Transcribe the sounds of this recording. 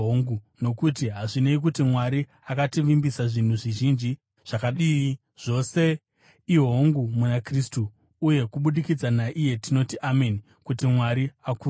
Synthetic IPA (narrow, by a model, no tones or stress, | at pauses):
oŋɡu | no̞kut̬iɦaʐine̞ik̬utimwaɾi | akatiʋimbisaʐin̤uʐiʒind͡ʒi | ʐ̥akaɗiːi | ʐ̥o̞se̞ | iɦoŋɡumunakristuː | je̞kuɓuɗikid͡zanaʔije̞tino̞tiʔameni | kutimwaɾiaku